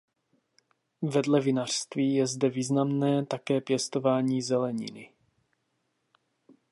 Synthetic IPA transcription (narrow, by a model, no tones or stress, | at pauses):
vɛdlɛvɪnar̥st̪viːjɛzdɛviːznamnɛːt̪akɛːpjɛst̪o̞vaːɲiːzɛlɛɲɪ̰nɪ